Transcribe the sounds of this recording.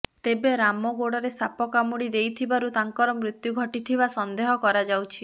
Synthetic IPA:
t̪ebeɾamɔɡoɽɔɾesapɔkamuɽid̪ejt̪ʰibaɾut̪aŋkɔɾɔmɾit̪juɡʱɔʈit̪ʰibasɔnd̪eɦɔkɔɾad͡ʒawt͡ʃʰi

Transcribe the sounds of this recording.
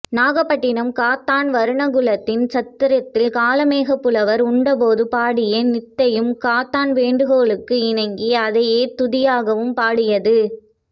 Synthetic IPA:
naːɣɐpːɐʈːɪnɐmkaːt̪aːnʋɐɾɯɳɐɣɯɭɐt̪ːɪnt͡ʃɐt̪ːɪɾɐt̪ːɪlkaːlɐmeːɣɐpːɯlɐʋɐɾʊɳɖɐpoːðɯpaːɽɪjenɪt̪ːɐjɯmkaːt̪ːaːnʋeːɳɖɯɣoːɭɯkːɯɪɳɐŋɡiɐðɐjeːt̪ʊðɪjaːɣɐʋɯmpaːɽɪjɐðɯ

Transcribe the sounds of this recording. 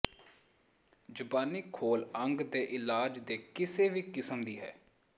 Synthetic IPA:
d͡ʒʊbaːniːkʰoːləŋɡd̪eːʔɪlaːd͡ʒd̪eːkɪseːʋiːkɪsəmd̪iːɦɛ̰ː

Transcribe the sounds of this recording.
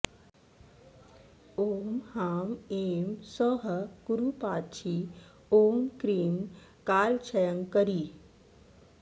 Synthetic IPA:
omhamemsɔɦkuɾupat͡ɕʰi | omkɾiːm | kalt͡ɕʰəjəŋkəɾi

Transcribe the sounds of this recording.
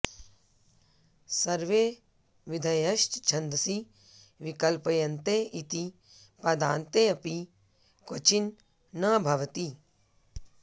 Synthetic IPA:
sɐɾʋeː | ʋid̪ʱɐjɐʃt͡ʃt͡ʃʰɐnd̪əsi | ʋikɐlpɐjɐnt̪eit̪i | pɐd̪ãːnt̪eɐpi | kot͡ʃinː | ɐbʱɐʋt̪i

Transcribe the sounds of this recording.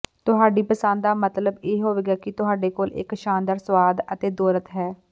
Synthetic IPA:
t̪ʊɦaːɖiːpəsə̃nd̪d̪aːmət̪ləbeːɦoːʋeːɡaːkɪt̪ʊɦaːɖeːkoːlɪ̰kʃaːnd̪əɾsʋaːd̪ət̪eːd̪ɔːɾət̪ɦɛː

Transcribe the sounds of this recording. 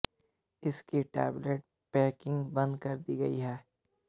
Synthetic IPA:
ɪskiʈɛ̰ːbleʈ̚ | pɛːkɪ̃ŋɡbɐ̃nd̪kɐɾd̪iɡɐ̰iɦɛː

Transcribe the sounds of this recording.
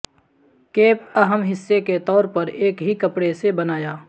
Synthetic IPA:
keːp̚ɐɦəmɦɪsːeket̪ɔːɾpɐɾeːkɦikɐpɽesebɐnaːjaː

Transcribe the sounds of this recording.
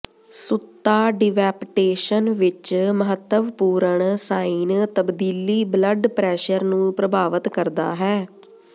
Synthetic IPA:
sʊt̪ːaːɖɪʋɛːpʈeːʃənʋɪt͡ʃməɦət̪ːəʋpuːɾəɳsaːiːnt̪əbd̪iːliːbləɖpɾɛːʃəɾnũːpɾəbaːʋət̪kəɾd̪a̰ːɦɛː

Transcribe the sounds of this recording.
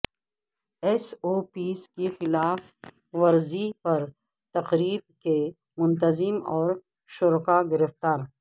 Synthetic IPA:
esoːpiːskexɪlaːf | ʋɐɾzipɐɾ | t̪ɐqɾiːb̚ke | mʊ̃nt̪̬ɐzɪmɔːɾ | ʃʊɾkaɡɪɾɪft̪aːɾ

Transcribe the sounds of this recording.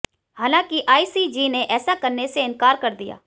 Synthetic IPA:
haːlãːkiʔaːisid͡ʒineʔɛːsakɐɾneseɪ̃nkaːɾkɐɾd̪ija̰ː

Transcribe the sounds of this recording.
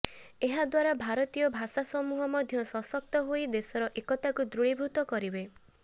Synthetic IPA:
eɦad̪waɾabʱaɾɔt̪ijɔbʱasasɔmuɦɔmɔd̪ʱjɔsɔsɔk̚t̪ɔɦojd̪esɔɾɔʔekɔt̪akud̪ɾuɭibʱut̪ɔkɔɾibe

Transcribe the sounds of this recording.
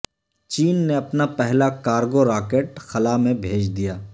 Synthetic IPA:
t͡ʃiːnːeɐpnapɛɦlakaːɾɡoɾaːkeːʈxɐlamẽbʱeːd͡ʒd̪ijaː

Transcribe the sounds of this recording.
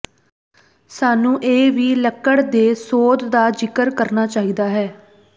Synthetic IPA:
saːnũːʔeːʋiːləkːəɽd̪eːsoːd̪d̪aːd͡ʒɪkəɾkəɾnaːt͡ʃaːɦiːd̪aːɦɛː

